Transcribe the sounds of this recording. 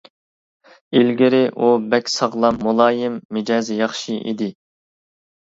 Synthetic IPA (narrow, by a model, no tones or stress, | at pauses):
ilɡʲɪɾɪʔubɛkʲsɑʁlˠɑmːulˠɑːjɪmːɪd͡ʒɑːzjɑχʃiʔḭd̪ɪ